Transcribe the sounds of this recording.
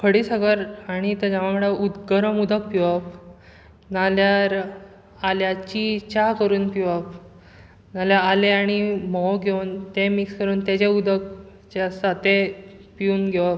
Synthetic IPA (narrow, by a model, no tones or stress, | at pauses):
kʰəɽiːsəɡəɾaɽ̃it̪ed͡ʑamaməɽaud̪ɡəɾəmud̪ʱək̚piʋəp | naljaɾ | aljat͡ɕit͡ɕakəɾuːnpiʋəp | naljaaleaɽ̃imɔwɡʱewnt̪emikskəɾuːnt̪jat͡ɕeud̪ʱək̚ | t͡ɕesat̪epiuːnɡʱeʋap